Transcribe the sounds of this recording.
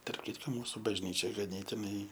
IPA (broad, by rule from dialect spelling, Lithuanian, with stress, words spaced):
tɐrp ˈkʲɪtkoː ˈmuːsʊ bɐʒʲˈnʲiːt͡ʃʲɛ ɡɐˈnʲeːtʲɪnɐɪ